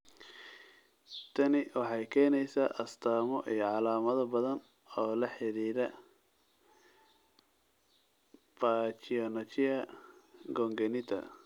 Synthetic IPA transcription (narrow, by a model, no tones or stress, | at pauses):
t̪ʰɐnɪwɑħɑjkʰɛːnɛjsaːʔɐst̪ʰaːmɔʔijɞʕɑlaːmɐðɐbɐðɐn | ɔːlɐħɛɾiːɾɐ | bat͡ʃɪɔnɐt͡ʃɪɐ | ɡɔːŋɡɛnɪt̪ʰɐ̰